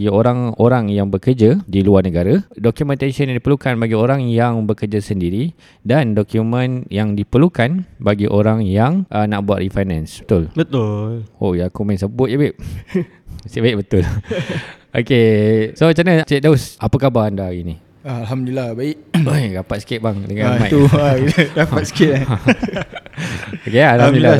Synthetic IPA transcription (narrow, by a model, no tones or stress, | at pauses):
ɡioɾaŋoɾaŋjaŋbəkərd͡ʒadiluarnəɡaɾadokjumɛ̃nt̪asənjaŋdipəlukanbaɡioɾaŋjaŋbəkərd͡ʒasəndiɾi | dandɔkjumə̃njaŋdipəlukanbaɡiʔoɾaŋjaŋʔənaʔbuaʔ̪rifajnãnsbə̥t̪ʊlbət̪ʊlojakumansəbʊt̪̚jabɪʔ | sibaɪʔkbət̪ʊl | ʔokesot͡ʃanat͡ʃɛk̚daʊsʔapakabaandaini | aalɦamdilahbaɪʔ̚ojɡapat̪skɪʔ̪̚baŋdəŋãnmãt̪uadapat̪skɪt̪ | okealadil